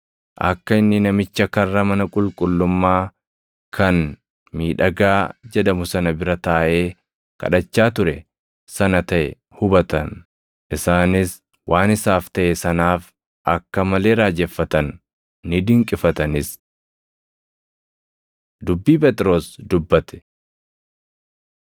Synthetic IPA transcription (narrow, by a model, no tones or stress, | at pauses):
ʔɐ̰kːɐɪnːɪnɐmɪt͡ʃːɐkɐrːɐmɐnɐkʼʊlkʼʊlːʊmːaː | kʰɐn | miːᶑɐɡaːd͡ʒɛd̪ɐmʊsɐnɐbɪɾɐt̪aːʔe̞ː | kɐ̰ᶑɐt͡ʃːaːt̪ʊɾɛ | sɐnɐt̪ɐʔɛ | hʊbɐt̪ɐn | ʔɪsaːnɪs | wʔaːnɪsaːft̪ɐʔesɐnaːf | ʔɐkːɐmɐle̞ːɾaːd͡ʒɛfːɐt̪ɐnː | ɪd̪ɪŋkʼɪfɐt̪ɐnɪs | d̪ʊbːiːpɛt̪ʼɪɾo̞ːsd̪ʊbːɐt̪ɛ̥